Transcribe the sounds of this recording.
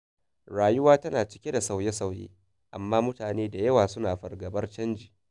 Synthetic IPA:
ɽaː˨jʊ˦waː˦tɐ˦naː˨t͡ʃɪ̥˦kʲe˦da˨sa˨wje˦sa˨wjḛː˦ | ʔa˨mːaː˦mʊ˦taː˨neː˦da˨jɐ˦waː˨sʊ˦naː˨ɸɐ˨rɡɐ˨bɐ˦rt͡ʃɐ˦nd͡ʒiː˨

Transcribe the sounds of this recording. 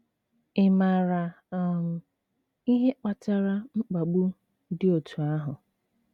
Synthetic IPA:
ɪ˨ma˨ɾa˨ | m̩˨ | i˦ɦe˦k͡pa˨ta˦ɾa˦ŋ͡m̩˦k͡pa˨ɡ͡bu˦ | dɪ˦o˨tʰu˨a˦ɦʊ˨

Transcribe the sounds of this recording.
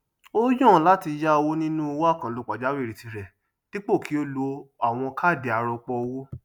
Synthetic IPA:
o˦jɔ̃˦˨la˦ti˧ja˦o˧wo˦nĩ˦nũ˦o˧wa˦˨kã˨lu˧k͡pa˨d͡ʒa˨˦we˦˨ɾi˨ti˧ɾɛ˨ | ni˦k͡po˦˨ki˨˦o˦lo˧˦a˨w̃ɔ̃˧ka˦˨de˨a˨˧ɾɔ˧k͡pɔ˧wo˦

